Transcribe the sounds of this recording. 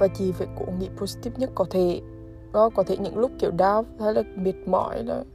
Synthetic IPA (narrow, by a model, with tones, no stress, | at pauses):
vaː˨˩t͡ɕi˨˩ve˨˩ko̰˧˨ŋḭ˧˨po˧˩zi̥˧t̪i˦˥p̚ɲə˦˥t̚kɔ˨˦t̪ʰe˧˩ | kɔ˨˦kɔ˨˦t̪ʰe˧˩ɲɨ̰˧˥ŋlʊ˦˥k͡p̚ki˨˩wɗaː˧wt̪ʰaː˧˦jlaː˨˩mi˨˩ət̚mɔ̰˧˩˦jnɔ˧˨˦